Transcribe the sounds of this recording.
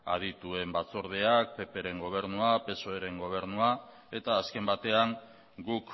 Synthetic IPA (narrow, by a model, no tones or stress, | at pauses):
a̰ð̞it̪ue̞mbat͡so̞ɾð̞e̞ak̚pe̞pe̞ɾe̞ŋɡo̞β̞e̞ɾnuape̞so̞e̞ɾe̞ŋɡo̞β̞e̞ɾnua | e̞t̪aːske̞mbat̪e̞aŋ | ɡuk